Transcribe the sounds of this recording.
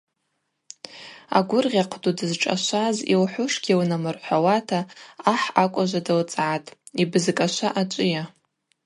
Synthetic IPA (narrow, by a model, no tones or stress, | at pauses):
a̰ɡʷʊrʁʲaqʰdudɨzʈ͡ʂʼa̰ʃʷazḭlħʷʊʂɡʲiwnamɨrħʷawatʰaːħakʷʼaʒʷadɨlt͡sʼʕatʼibɨzkʼaʃʷaʔat͡ʃʷʼɪja